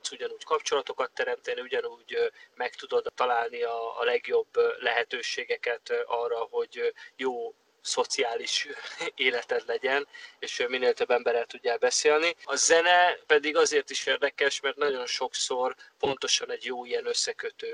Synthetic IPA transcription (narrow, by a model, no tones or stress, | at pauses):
t̪suɟɒnuːckɒpt͡ʃo̞lɒt̪o̞kɒt̪ːɛɾɛmt̪ɛniuɟɒnuːɟmɛkt̪ud̪o̞d̪ːɒlaːlniɒ̰ːlɛɡjo̞bːlɛɦɛt̪øːʃeːɡɛkɛt̪ɒːrːɒho̞ɟjoː | so̞t̪siaːliʃeːlɛt̪ɛd̪lɛɟɛneːʃmineːlt̪øbːɛmbɛɾɛlt̪uɟːɛːlbɛseːlniɒzɛnɛpɛd̪iɡɒzeːrt̪iʃeːrd̪ɛkɛʃmɛrt̪nɒɟo̞nʃo̞kso̞rpo̞nt̪o̞ʃɒnɛɟjoːijɛnøsːɛkøt̪øː